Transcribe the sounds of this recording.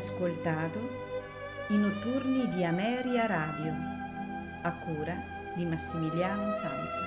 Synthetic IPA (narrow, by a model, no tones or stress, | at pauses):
skolt̪aːt̪u | inut̪uɾnid̪iamɛːɾiaɾaːd̪joʊ | akːuːɾa | d̪imasːimiljaːnusa̰ns